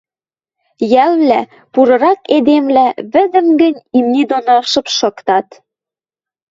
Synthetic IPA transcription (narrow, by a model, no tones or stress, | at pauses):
jællæ | puɾɤ̆ɾɑked̪emlæβɘ̆d̪ə̆mɡə̆nʲimnid̪onoʃɤ̆pʃɤ̆kt̪ɑt̪